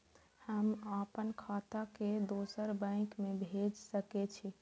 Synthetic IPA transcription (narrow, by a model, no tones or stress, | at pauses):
həmapənkʰat̪aked̪osəɾbə̃ɪ̃kmebʱed͡ʒsəkɛt͡ʃʰi